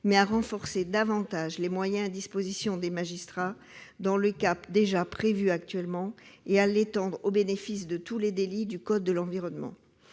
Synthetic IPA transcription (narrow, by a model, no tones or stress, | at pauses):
mɛaʁɑ̃fɔʁsed̪avɑ̃t̪aʒlemwajɛ̃d̪ispozisjɔ̃d̪emaʒist̪χa | d̪ɑ̃ləkapd̪eʒapχevyak̚t̪ɥɛlmɑ̃ealet̪ɑ̃d̪ʁobenefis̬d̪ət̪uled̪elid̪ykɔd̪̚ːəlɑ̃viʁɔnmɑ̰̃